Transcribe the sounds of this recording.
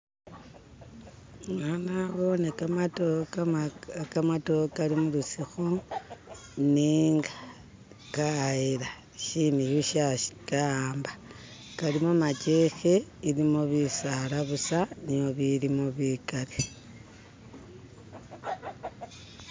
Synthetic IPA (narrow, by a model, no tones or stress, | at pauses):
ŋanaβo̞neat | kamato̞kalimulusixo | niːŋɡḁ | kaiɾa | ʃinijuʃaʃi̥kamba | kalimomat͡ʃexe̞iɾimo̞βisaɾaβusanijo̞βiɾimoβikaɾe